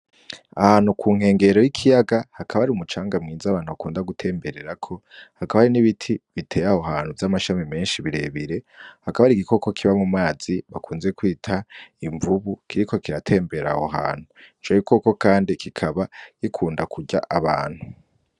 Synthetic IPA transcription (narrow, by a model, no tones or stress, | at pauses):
ahaːn̥hukʰuːŋhe̞ːŋɡe̞ɾo̞jikʰijaɡahakʰaβaaɾiumut͡ʃaːŋɡamŋiːzaβaːn̥huβakuːndaɡutʰe̞ːmbe̞ɾe̞ɾakʰo̞hakaβaaɾiniβitʰiβitʰe̞ːjaho̞ɦaːn̥huvjamaʃamime̞ːnʃiβiɾe̞̰ːβiɾe̞hakaβaɾiɡikʰo̞ko̞kʰiβamumŋaːz̥iβakʰuːnze̞kwiːtʰaiɱvuβukʰiɾiko̞kiɾatʰe̞ːmbe̞ɾa̰ho̞ɦa̰ːn̥hunt͡ʃoikʰo̞ko̞kaːndikʰikʰaβakikʰuːndakʰuɟa̰ʔaβa̰ːn̥hu